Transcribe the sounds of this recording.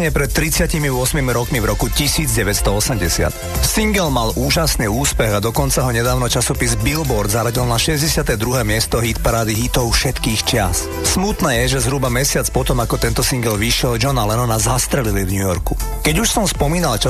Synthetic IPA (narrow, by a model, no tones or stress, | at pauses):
ɲɪɛpɾɛt̪ːɾit͡sɪacimivʊɔsmimiɾɔkmivɾɔkucisiːd͡zɟɛʋɛtst̪ɔɔsɛmɟɛsɪa̰t̪ | siŋɡɛlmalʔuːʒasniːuːspɛɣad̪ɔkɔnt͡saɦɔɲɛd̪aːʊnɔt͡ʃasɔpizbilbɔɾd̪zaɾaɟilnaʃɛzɟɛsɪat̪ɛːd̪ɾuɦɛːmɪɛst̪ɔɦit̪paɾaːd̪iɦit̪ɔʊfʃɛt̪kiːxt͡ʃɪas | smut̪nɛːjɛʒɛzɦɾubamɛsɪat͡spɔt̪ɔmakɔt̪ɛnt̪ɔsiŋɡɛlʋiʃɪɛld͡ʒɔnalɛnɔnazast̪ɾɛlilivɲujɔɾkukɛɟuʃsɔmspɔmiːnalt͡ʃa